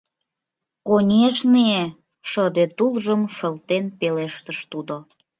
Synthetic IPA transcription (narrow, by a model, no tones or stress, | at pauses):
konʲeʒnie | ʃəd̪et̪ulʒəmʃəlt̪enpeleʃt̪əʃt̪ud̪o